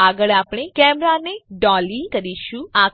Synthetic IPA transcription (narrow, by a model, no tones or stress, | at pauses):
aɡəɭapɽ̃ekɛmɾaneɖɔlikəɾiʃũa